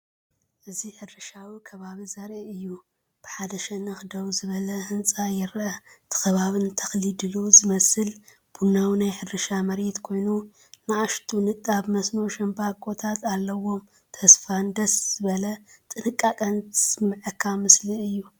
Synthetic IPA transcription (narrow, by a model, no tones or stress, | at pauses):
ʔɨziħɨdɾɨʃawikʰɐβaβizɐɾʔiɨjːu | b̥ɨħad̪ɐʃɛnɐxd̪ɐwzɨβɐlɐhɨnt͡sʼajɪɾʔɐt̪ʰɨ̥xɐβaβɨnt̪ʰɐxlid̪ɨluzɨmɐsɨl | b̥unawinajħɨdɾɨʃamɐɾet̪kʰo̞jnu | naʔaʃt̪ʰunɨt̪ʼːabmɐsnuʃɐmbakʼot̪ʰat̪alːɐwo̞m | t̪ʰɐsfand̪ɐsz̥ɨβɐlɐt̪ʼɨnɨkʼːakʼɐnt̪ʰɨsmɨʕɨkʰːamɨsliɨjːu